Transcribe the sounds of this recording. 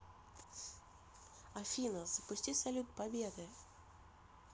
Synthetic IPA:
ɐfʲinəz̥əpʊsʲtʲisɐlʲut̪̚pɐbʲed̪ɨ

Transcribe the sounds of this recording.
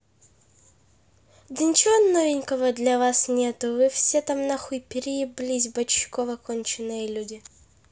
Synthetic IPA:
d̪ənʲɪt͡ɕɪvonːovʲɪnʲkəvəd̪lʲɐvasnʲet̪ʊvɨfsʲet̪amnɐxupʲɪɾʲijɪblʲizʲbəɕːɪ̥kovəkonʲt͡ɕɪnːɨjəlʲudʲɪ

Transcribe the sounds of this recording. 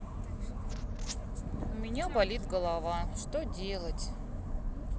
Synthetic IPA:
ʊmʲɪnʲabɐlʲit̪ɡəlˠɐvaʂt̪odʲelˠətʲ

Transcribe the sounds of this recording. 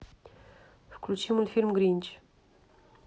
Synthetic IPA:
fklut͡ʃimulfilmɡɾint͡ʃ

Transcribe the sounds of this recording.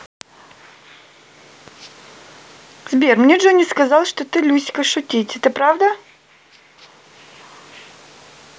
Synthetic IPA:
zbʲermnʲeʐonʲiskɐzɑlˠʂt̪ot̪ɨlʲusʲkəʂʊt̪ʲitʲɛt̪ɨpɾavd̪ə

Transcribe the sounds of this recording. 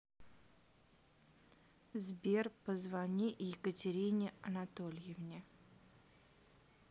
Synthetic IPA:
zbʲerpəzvanʲijɪkətʲɪɾʲinʲɪɐnat̪olʲjɪvnʲɪ

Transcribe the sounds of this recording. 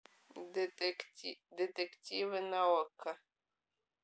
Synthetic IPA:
det̪ektivənawakʰa

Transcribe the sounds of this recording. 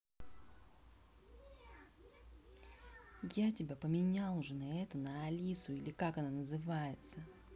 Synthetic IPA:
jatʲɪbʲapəmʲɪnʲalˠʊʐɨnɐɛt̪ʊnəːlʲisʊilʲɪkakɐnanəzɨvajɪt̪sə

